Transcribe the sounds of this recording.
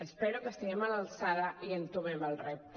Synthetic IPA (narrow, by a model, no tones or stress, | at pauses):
əspɛɾukəst̪iɣemalalsaðaʔiənt̪uβeməlrɛp̚t̪